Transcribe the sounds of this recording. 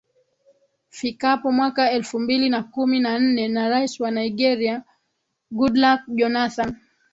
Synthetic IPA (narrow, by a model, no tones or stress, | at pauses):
fikapɔmwakaɛlfumbilinakuminan̩nɛnaɾaiswanaiɡɛɾia | ɡudlak̚ʄɔnaθan